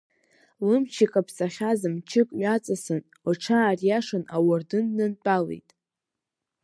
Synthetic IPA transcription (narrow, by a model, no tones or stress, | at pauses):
lɨmt͡ʃʰikʼapʰsʼaχʲazɨmt͡ʃʰɪkʼɥat͡sʼasɨn | waʈ͡ʂʰaːrjaʂɨnawardɨnːɨnt͡pʼalḛjtʼ